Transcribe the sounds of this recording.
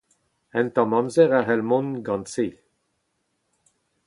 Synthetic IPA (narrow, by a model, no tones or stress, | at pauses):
ɛ̃nt̪ɑ̃mɑmzɛʁaɦɛlmɔ̃nɡɑ̃nse